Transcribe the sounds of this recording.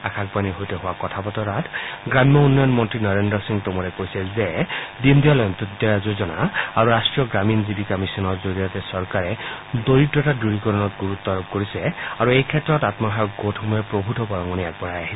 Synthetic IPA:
akʰak̚paniɦojtɛɦʊwakɔtʰapɔtɔɾatʰɡɹamjɔunːɔjɔnmɔntɹinɔɹendɹɔsiŋtomɔɹɛkojsɛzɛdindiɔlɔjɔntudɔjazozɔnaaɹuɹastɹijɔɡɹaminzibikɔmisɔnɔɹzoɹijatɛsɔɹkaɹɛdoɹitɹɔɛtaduɹikɔɹɔnɔtɡuɹut̪ːɔɹɔb̚koɹisɛaɹuejkʰɛtːɹɔtatmɔɦaɡotʰhɔmɔjɛpɹobʱutɔbɔɹɔŋɡɔniak̚bɔɹajaɦisɛ

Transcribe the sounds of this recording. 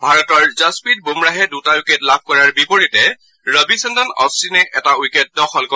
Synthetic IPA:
bʱaɹɔtɔɹzaspit̚bumɹaɦɛdutaukɛtlab̚ʱkɔɹaɹbipɔɹitɛ | ɹɔbisɔndɔnɔ̰stinɛʔɛtaukɛt̚dɔxɔlkɔ

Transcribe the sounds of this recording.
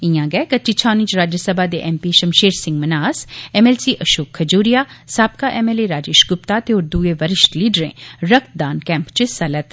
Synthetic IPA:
ɪjãːɡɛɛkət͡ʃit͡ʃʰaːnĩt͡ʃɾaːd͡ʒəsəbaːd̪eːʔɛːmpiːʃəmʃeːɾsɪ̃ŋɡmənaːsɛmɛːlsiːʔəʃoːkʰːəd͡ʒuːɾɪjaːsaːb̚kaːʔɛːmeːleːɾaːd͡ʒeːʃɡʊpt̪aːt̪eoːɾd̪uːeːʋəɾɪʃʈliːɖɾḛ̃ːɾək̚t̪̚d̪aːnkɛ̃ːmpt͡ʃəsɐlət̪

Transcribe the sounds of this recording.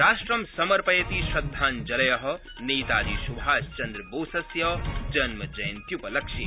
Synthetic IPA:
ɾaːʃʈɾɐmsɐmɐɾpɐjɐt̪iʃɐd̪ʱːaːnd͡ʒɐlɐjɐɦɐ̆ | neːt̪aːd̪isubʱaːst͡ʃɐnd̪ɾboːsɐsjɐd͡ʒɐnmɐd͡ʒɐjɐnt̪jupɐlɐkʃi

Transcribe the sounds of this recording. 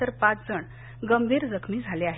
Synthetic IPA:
əɾpat͡sd͡zəɳ | ɡəmbʱiːɾd͡zəkʰmiːd͡zʱaleaɦ

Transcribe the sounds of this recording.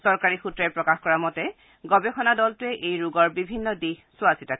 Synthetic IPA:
sɔɹkaɹixutɹaɛjpɹɔkaxkɔɹamɔtɛ | ɡɔbɛxɔnadɔltʊɛʔejɹuɡɔɹbibʱinːɔdixsʊasitak

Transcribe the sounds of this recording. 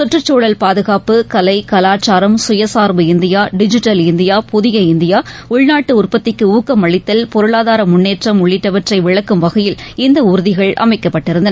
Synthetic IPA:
sɔʈrɐt͡ʃːoːɭɐlpaːðɯɣaːpɯkɐlɐɪkɐlaːt͡ʃːaːɾɐmsʊjɐsaːɾbɯɪnd̪ɪjaːɖɪd͡ʒɪʈːɐlɪnd̪ɪjaːpʊðɪɣɐɪnd̪ɪjaːʊɻnaːʈːɯʊrpɐt̪ːɪkːɯuːkːɐmɐɭɪt̪ːɐlpɔɾɯɭaːðaːɾɐmʊnːeːʈrɐmʊɭːɪʈːɐʋɐʈrɐɪʋɪɭɐkːɯmʋɐɣɐjɪlɪnd̪ɐʊɾɯðɪɣɐɭʔɐ̰mɐɪkːɐpːɐʈːɪɾɯnd̪ɐnɐ

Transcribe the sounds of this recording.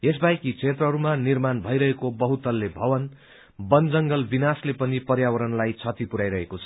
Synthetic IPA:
es̬bajkit͡sʰet̪rʌɦʌɾumanirmanbʱʌjɾʌɦekobʌɦut̪ʌlːebʱʌwʌn | bʌnd͡zʌŋɡʌlbinaslepʌnipʌrjawʌɾʌnlajt͡sʰʌt̪ipuɾajɾʌɦekot͡sʰʌ̥

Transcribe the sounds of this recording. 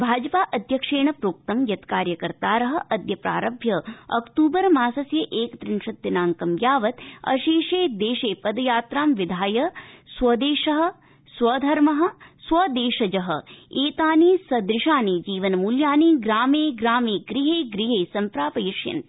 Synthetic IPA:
bʱaːd͡ʒɐpaːʔɐd̪ʱjɐkʂeːɳɐpɾoːk̚t̪ɐmjɐt̪kaːɾjɐkɐɾt̪aːɾɐɦɐ̆ʔɐd̪jɐpɾa̰ːɾɐbʱjɐɐ̰kt̪uːbɐɾmaːsɐsjɐʔeːkt̪ɾɪnʃɐt̪ːɐnaːŋkɐmjaːʋɐt̪ɐ̰ʃiːʃeːd̪eːʃeːpɐd̪ɐjaːt̪ɾaːmʋid̪ʱaːjɐswɐd̪eːʃɐɦɐ̆ | swɐːd̪ʱɐɾmɐɦɐ̆swɐd̪eːʃɐd͡ʒɐɦɐ̆eːt̪aːneːsɐd̪ɾɪʃaːneːd͡ʒiːʋɐnɐmuljaːniːɡɾaːmeːɡɾaːmeːɡɾiɦeːɡɾiɦeːsɐmpɾaːpɐjiʂjɐ̰n

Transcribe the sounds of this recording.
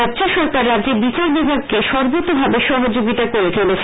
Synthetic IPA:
adt͡ɕaʃɔɾkaɾːadd͡ʑeɾbit͡ɕaɾbibʱaɡ̚keʃɔɾbot̪ːobʱabeʃɔɦod͡ʑoɡit̪akoɾekʰele

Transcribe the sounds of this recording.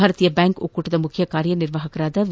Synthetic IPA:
aːɾɐt̪ijɐbaːŋko̰kːuːʈːɪðɐmʊkʰːɪjɐkaːɾjɐnɪrʋaːɦɐkːɐɾaːðɐʋ

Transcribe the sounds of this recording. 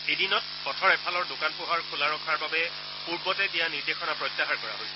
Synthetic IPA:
ejdinɔt̚ | pɔtʰɔɹɛpʰalɔɹdokanpʊɦaɹkʰulaɹɔkʰaɹbabɛ | puɹbɔtɛtijaniɹdexɔnapɹɔjtːaɦaɹkɔɹa̰ɦojsɛ̥

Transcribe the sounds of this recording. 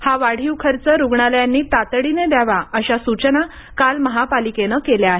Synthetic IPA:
haʋaɽ̤iwkʰəɾt͡səɾuɡɳaljanːiːt̪at̪əɽined̪aʋaəɕasut͡ɕəna | kalməɦapalikenəkeljaaɦe

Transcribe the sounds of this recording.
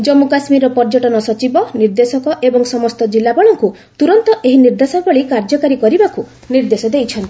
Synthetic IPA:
d͡ʒɔmukasmiɾɔpɔɾd͡ʒɔʈɔnɔsɔt͡ʃibɔniɾd̪esɔkɔʔebɔŋsɔmɔst̪ɔd͡ʒilːabɔɭɔŋku | t̪uɾɔnt̪ɔʔeɦiniɾd̪asɔbɔɭikaɾd͡ʒɔkaɾikɔɾibaku | niɾd̪esɔd̪ejt͡ʃʰɔnt̪i̥

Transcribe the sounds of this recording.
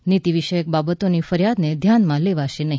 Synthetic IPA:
nit̪iʋiʃəjək̚babət̪onifəɾjad̪ned̪ʱjanmãleʋaʃenəɦi

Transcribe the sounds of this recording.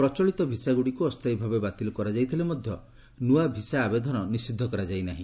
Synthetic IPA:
pɾɔt͡ʃɔɭit̪ɔbʱisaɡuɽikuɔst̪ajbʱabebat̪ilɔkɔɾad͡ʒajt̪ʰilemɔd̪ʱjɔ | nuabʱisaːbed̪ʱɔnɔnisid̪ʱːɔkɔɾad͡ʒajnaɦĩ

